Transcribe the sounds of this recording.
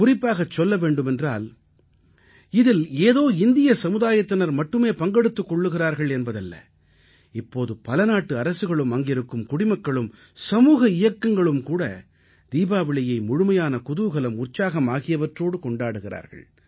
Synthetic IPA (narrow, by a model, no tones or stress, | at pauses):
kʊrɪpːaːɣɐt͡ʃːɔlːɐʋeːɳɖɯmɛndra̰ːl | ɪðɪleːðoːɪnd̪ɪjɐsɐmɯðaːjɐt̪ːɪnɐɾmɐʈːɯmeːpɐŋɡɛɽɯt̪ːɯkːɔɭːɯɣɪraːɾɣɐɭɛnbɐðɐlːɐ̰ | ɪpːoːðɯpɐlɐnaːʈːɯɐɾɐsɯɣɐɭɯmɐŋɡɪɾɯkːɯmkʊɽɪmɐkːɐɭɯm | sɐmuːɣɐɪjɐkːɐŋɡɐɭɯmkuːɽɐ̰ | d̪̥iːbaːʋɪɭɐjɐɪmʊɻʊmɐjaːnɐkʊðɯʋɣɐlɐmʊrt͡ʃaːɣɐmaːɣɪjɐʋɐʈroːɽɯkɔɳɖaːɽɯɣɪra̰ːɾɣɐ̰ɭ